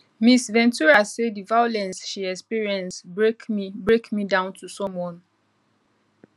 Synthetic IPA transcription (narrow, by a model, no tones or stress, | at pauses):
misvɛ̃ntuɹasedivajolɛ̃nsʃiɛkspiɹiɛ̃nsbekmibɹekmidãʊ̃ntusɔ̃mwɔ̃n